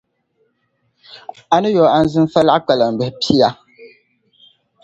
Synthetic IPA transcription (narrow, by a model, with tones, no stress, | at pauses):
a˨nɨ˦jɔ˨a˦n̩˦zɨ˦n˦fa˦la˦ʔk͡pa˨la˨m̩˨bɛ˨hpi˦ja˦